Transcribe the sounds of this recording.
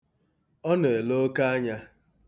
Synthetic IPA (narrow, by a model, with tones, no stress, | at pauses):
ɔ˦ne˨e˨lo˦ka˦a˦ɲa˦